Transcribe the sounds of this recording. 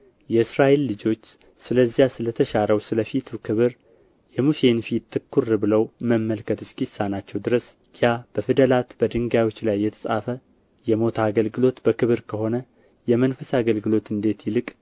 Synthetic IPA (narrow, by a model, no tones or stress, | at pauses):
jɛɨsɾaʔe̞lːɨd͡ʒo̞t͡ʃː | sɨləzːijasɨlət̪ʰəʃaɾəwsɨləfit̪ʰukʰɨβɨɾ | jɛmuʃe̞nfit̪ʰːɨkʰːurɨbɨləwməmːəlkʰət̪ɨskisːanat͡ʃːɛwd̪ɨɾəs | jab̥əfɨd̪əlat̪b̥əd̪ɨŋɡawo̞t͡ʃːlajːɛt̪ʰə̥sʼa̰fə | jɛmo̞t̪ʰaːɡəlɡɨlo̞t̪bəkɨβɨɾkʰəho̞nə | jɛmənfəsaɡəlɡɨlo̞t̪ɨnd̪e̞t̪jɪlɨkʼ